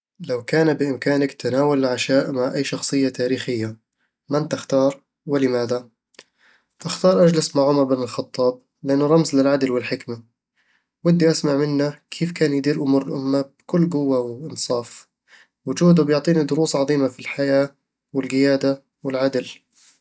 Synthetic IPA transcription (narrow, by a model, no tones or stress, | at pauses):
lawkaːnbɪʔɪmkaːnakt̪anaːwalʕaʃaːʔmaʕʔajːʃɑxsˤɨjːat̪aːɾiːxɪjːa | mant̪ɪxt̪ɑːɾˤ | wɪlɪmaːd̪a | ʔaxt̪ɑːɾˤʔad͡ʒlasmaʕʊmɑɾˤbɪnɪlxɑt̪ˤːɑːb̚ | lɪʔanːʊɾˤɑmzlɪlʕad̪lwɪlħɪkma | wɪd̪ːiʔasmaʕmɪnːakʰeːfkaːnjɪd̪iːɾʔʊmuːɾɪlʔʊmːab̥kʊlːɡʊwːawɪʔɪnsˤɑːf | wʊd͡ʒuːd̪ʊbjʊʕt̪ˤiːnid̪ʊɾuːsˤʕɑðˤiːmafilħajaː | wɪlɡɪjaːd̪a | wɪlʕad̪l